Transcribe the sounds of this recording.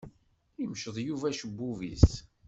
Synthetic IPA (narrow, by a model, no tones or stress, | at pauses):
imʃəðˤjuvæʃəbːuvḭs